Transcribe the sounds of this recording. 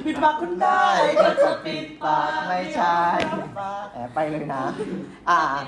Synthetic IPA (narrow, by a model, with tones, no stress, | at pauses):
pʰi˦˧t̪̚ma˧˥kʰːu˧˥nda˧˥˩ja˧˩ka˧˩pi˨˩t̪̚pa˨˩k̚ma˥˩jt͡ɕʰa˥˩jʔɛː˨˩pa˧jlɤː˧jna˦˥ | ʔaː˧˩